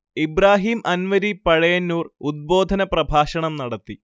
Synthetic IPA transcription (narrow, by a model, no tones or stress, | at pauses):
ibraːɦiːmʔɐnʋɐɾipɐɻɐjɐnːuːrud̪̚bo̞ːd̪ʱɐnɐprɐbʱaːɕɐɳɐmnɐɽɐt̪ːi